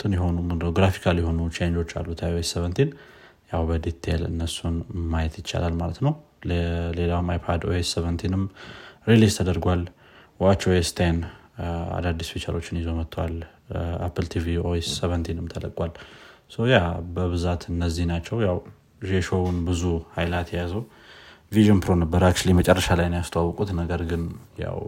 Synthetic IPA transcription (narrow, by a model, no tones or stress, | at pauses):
t̪ʰɨnjɛɦo̞nuɡɾafi̥kʰaljɛho̞nut͡ʃend͡ʒo̞t͡ʃːa̰lːut̪ʰajoesːeβənt̪ʰin | jawbəd̪it̪ʰːelɨ̰nːəsːunmːajɛt̪jɪt͡ʃːa̰lalmalət̪nəw | lle̞lawmajpʰad̪oesːeβənt̪ʰinɨmɾilist̪ʰəd̪əɾɡʷal | wat͡ʃːoest̪ʰan | a̰d̪ad̪ːisfit͡ʃʰa̰lʔo̞t͡ʃːɪnjɪzo̞mət̪ʰːwa̰l | a̰pʰːɨlt̪ʰivioesːəβənt̪ʰinɨmt̪ʰələkʼwalsəwjabəβɨzat̪ɨnːəzːihnat͡ʃːɛwjaw | ʒeʃo̞wʊnbɨzuhajlat̪ʰjɛjazəw | viʒonpɾo̞nəbːəɾakt͡ʃulimət͡ʃʼərːəʃalajnjast̪ʰəwawːkʼut̪nəɡəɾɡɨnja̰w